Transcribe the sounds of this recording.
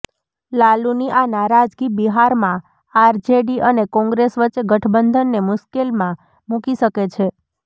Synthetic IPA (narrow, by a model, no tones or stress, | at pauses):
laluniʔanaɾad͡ʒɡibiɦaɾmã | aɾd͡ʒeɖiʔənekɔ̃ŋɡɾesʋəːt͡ʃɡəʈʰbənd̪ʱənːemʊʃkelmã | mukiʃəket͡ʃʰe